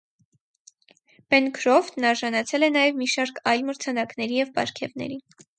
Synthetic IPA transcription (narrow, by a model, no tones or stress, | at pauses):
pɛnkʰɾɔft̪nɑɾʒɑnɑt͡sʰɛlɛnɑjɛvmiʃɑɾkʰɑjlməɾt͡sʰɑnɑknɛɾijɛvpɑ̰ɾkʰɛvnɛ̰ɾi